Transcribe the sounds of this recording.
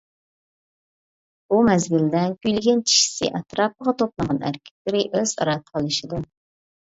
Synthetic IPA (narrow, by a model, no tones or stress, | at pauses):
bumɛzɡʲild̪ɪnkʲyjlɪɡʲɛnt͡ʃʰi̥ʃi̥sɪ̰ʔɑt̪ɾɑːp̚əʁɑt̪ʰoplˠəʁɑnæ̰ɾkʲʰɛ̥k̪̚ʲlɪɾɪʔøzɑ̰ɾɑt̪̚ʰːə̥qʰəlˠɨʃid̪u